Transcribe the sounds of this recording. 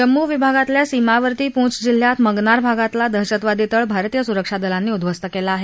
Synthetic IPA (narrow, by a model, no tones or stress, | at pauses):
d͡ʑəmːuʋibʱaɡat̪ljasimaʋəɾt̪iːpũt͡sd͡ʑil̤jat̪məɡnaɾbʱaɡat̪lad̪əɦɕət̪ʋad̪it̪əɭbʱaɾt̪iːjəsuɾəkʂad̪əlanːiːud̪ʋəst̪əkelaːɦe